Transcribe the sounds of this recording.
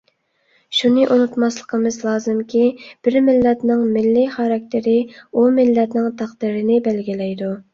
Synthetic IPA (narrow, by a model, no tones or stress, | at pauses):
ʃunɨʔunut̪mɑslˠəqʰəmɨzlˠɑːzɨmkʲib̥ɪɾmɪlːɛt̪nɪŋmɪlːɪχɑɾɑk̚ʲt̪ʰɪɾɪumɪlːɛt̪nɪŋt̪ʰæqd̪ɪɾɪnɪbælɡʲilɛjd̪u